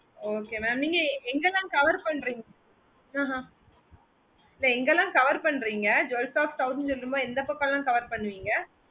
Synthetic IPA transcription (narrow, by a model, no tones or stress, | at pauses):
oːkeːmaːmniːŋɡɐɛŋɡɐlãːkɐʋɐɾpɐɳːɾiːŋɡɐ | ãːɦã | ɪlːɐɛŋɡɐlãːkɐʋɐɾpɐɳːɾiːŋɡɐd͡ʒɛlsaːfʈ̪ɐʊsnsɔlːɯmboːɛnd̪ɐpɐkːalãːkɐʋɐɾpɐɳːɯʋiːŋɡɐ